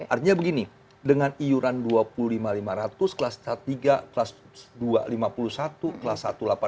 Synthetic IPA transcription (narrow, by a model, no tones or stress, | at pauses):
art̪iɲabəɡini | dəŋanijuɾanduapululimalimaɾat̪ʊskəlasat̪iɡaklas | dua̰limapulusat̪ukəlasːat̪ulapa